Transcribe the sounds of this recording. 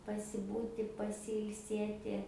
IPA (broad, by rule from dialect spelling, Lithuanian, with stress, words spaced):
pɐsʲɪˈbuːtʲɪ pɐsʲɪɪlʲˈsʲeːtʲɪ